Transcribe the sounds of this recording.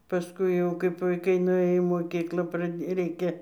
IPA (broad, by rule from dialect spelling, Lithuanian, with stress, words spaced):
pɐsˈkʊɪ jɛʊ kɐɪp ʋɐɪˈkɐɪ nʊˈeːjoː iː moːˈkʲiːklˠɑː prɐˈdʲeː ˈrʲɛɪkʲɛ